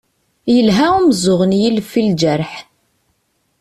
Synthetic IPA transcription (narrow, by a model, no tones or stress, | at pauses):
jəlɦæuməzʊʁənjilfːild͡ʒəɾħ